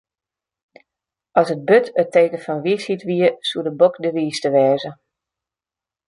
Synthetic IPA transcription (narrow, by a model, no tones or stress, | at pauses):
ɔsət̚bøtʰəteːkəfɔnʋisitʋiəsuədəbokdəʋiːstəʋɛːzə